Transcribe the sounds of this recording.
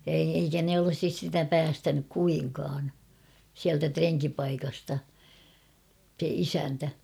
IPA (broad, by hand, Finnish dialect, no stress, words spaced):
jɑ ei eikæ ne olŏsis sitæ pæːstænyk kuiŋkɑːn siæltæ treŋkipɑikɑstɑ se isæntæ